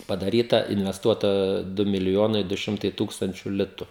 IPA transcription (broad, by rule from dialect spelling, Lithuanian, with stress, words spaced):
pɐdɐˈrʲiːtɐ ɪnʲʋʲɛsˈtuɔtɐ ˈdʊ mʲɪlʲɪˈjoːnɐɪ dʊ ˈʃʲɪmtɐɪ ˈtuːkstɐnʲt͡ʃʲʊ ˈlʲɪtʊ